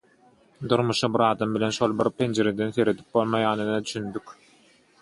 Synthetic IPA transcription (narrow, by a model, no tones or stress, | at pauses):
d̪uɾmuʃɯbiɾɑːd̪ɑmbilʲe̞nʃo̞lˠbiɾpʰe̞nd͡ʒe̞ɾed̪enθe̞ɾe̞d̪i̥p̚bo̞lˠmɑjɑːnɯnɯd̪yʃynd̪ykʲ